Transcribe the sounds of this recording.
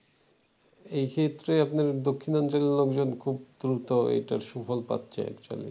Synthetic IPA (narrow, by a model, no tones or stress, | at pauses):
ejkʰet̪ːɾeapnaɾd̪okʰːinɔnt͡ɕoleɾlokd͡ʑonkʰub̚d̪ɾut̪oḛʈaɾʃufʰolpa̰t̪ːɕʰḛa̰kt͡ɕua̰lḛ